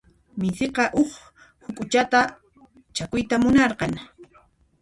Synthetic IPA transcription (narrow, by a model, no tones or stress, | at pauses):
mɪsɪqɑʔoχ | hʊkʼʊt͡ʃat̪a | t͡ʃakʊjt̪amʊnɑɾqɑŋ